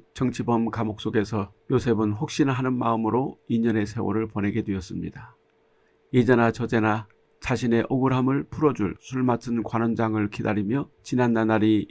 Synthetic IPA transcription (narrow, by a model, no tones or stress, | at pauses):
t͡ɕʌŋt͡ɕʰibʌmkamok̚s͈oɡe̞sʰʌ | josʰe̞bɯnɸok̚ɕ͈inaɦanɯnmaɯmɯɾoiɲʌne̞sʰe̞wo̰ɾɯɭpone̞ɡedwe̞ʌs͈ɯmɲḭda | id͡ʑenat͡ɕʌd͡ʑe̞na | t͡ɕaɕʰine̞ʔoɡɯɾamɯɭpʰuɾʌd͡ʑuɭsʰuɭmatʰɯnkwanʌnd͡ʑaŋɯɭkidaɾimjʌt͡ɕinanːanaɾi